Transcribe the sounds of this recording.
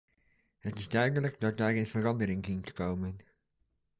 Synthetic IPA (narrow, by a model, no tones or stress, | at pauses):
ətɪsdœɥdələk̚dɔt̚daɹɡɪnfərɑndəɾɪ̃ŋkɪŋtə̥kowmən